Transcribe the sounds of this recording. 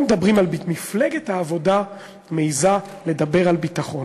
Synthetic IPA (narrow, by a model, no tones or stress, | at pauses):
med̪abʁimalbimifleɡethaːvo̞da | mejzale̞d̪abe̞ʁalbitaχo̞n